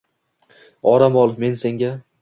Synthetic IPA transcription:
ɒɾamɒlˠɨme̞nse̞ŋɡʲa

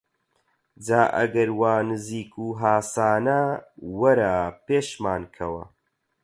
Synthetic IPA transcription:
d͡zaːʔɐ̰ɡɐɾwaːnɨziːkuːɦaːsaːnɐwɐɾaːpeːʃmaːnkʰɐwɐ̰

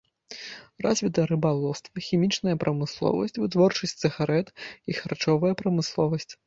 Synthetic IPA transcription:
razʲvʲit̪ɐɾɨbalˠɔst̪vɐxʲimʲit͡ʂnɐjɐpɾʔɐmɨslˠɔ̰vɐ̰sʲt͡sʲvɨt̪vɔrt͡ʂɐsʲtʲsɨɣaɾɛt̪ixart͡ʂɔvɐjɐpɾɐmɨslˠɔvɐsʲt͡sʲ

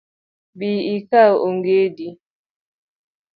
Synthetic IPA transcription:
biikaʔoŋɡedi

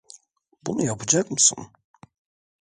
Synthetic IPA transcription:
bunujapʰɯd͡ʒakmɯsṵn

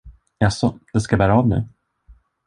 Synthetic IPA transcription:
jasɔd̪̥ɛskabæːɾaːvnʉ̟ː

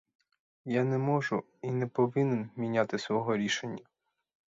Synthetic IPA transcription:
janɛmɔʒʊ | inɛpɔʋɪnenmʲinʲat̪ɪsʋɔɦɔɾʲiʃenʲːɐ

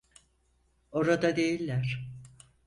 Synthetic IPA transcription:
o̞ɾad̪ad̪e̞jilʲːæɾ̥

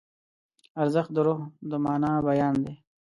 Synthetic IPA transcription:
aɾzəxt̪̚d̪əɾoɦd̪əmɑːnaːbajaːnd̪e

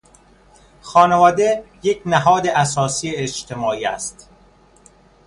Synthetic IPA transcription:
xɒːnevɒːd̪e̞jecʰnæɦɒːd̪eʔæsɒːsiːeːt͡ʃt̪ʰemɒːiːæ̰st̪

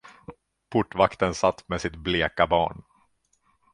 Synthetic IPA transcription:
pʰʊʈːvakt̪ənsat̪ːmesɪt̪̚bleːkabɑ̰ːɳ

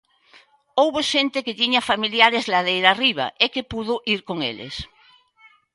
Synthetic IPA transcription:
owβoʃent̪ɪkɪt̪iɲafamiljaɾezlað̞ejɾariβ̞a̰ʔekepuðʊʔiɾkoŋḛlḛs

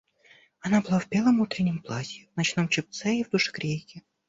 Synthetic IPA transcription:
ɐnabɨlˠavbʲe̞lˠəmut̪ɾʲɪnʲːɪmplˠasʲɪvnɐt͡ɕn̪omt͡ɕɪp̚t̪sɛivd̪uʂɨ̥kɾʲejkʲɪ

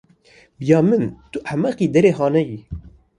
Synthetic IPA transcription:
bjɑːmɨnt̪uʔamaqiːd̪ɛɾeːɦɑːnɛji

